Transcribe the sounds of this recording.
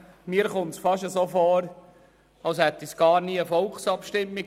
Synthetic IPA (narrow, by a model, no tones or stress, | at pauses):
miːəɾχʊnt̪sfɑʃəsoːfɔːɾ | ɑlshɛt̪ːisɡ̥ɑːɾniːəfɔlˠksɑpʃtɪmːik